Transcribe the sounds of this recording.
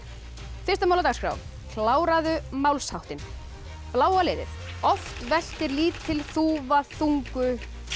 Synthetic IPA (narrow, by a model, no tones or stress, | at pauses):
fɪst̪amawlawt̪askɾa̰w | kʰlaːwɾaðʏmawlshawht̪ɪn | plaːwalɪːðɪ̰θɔft̪vɛl̥t̪ɪɾliːtt̪ʰːɪlθuvaθuŋkʏ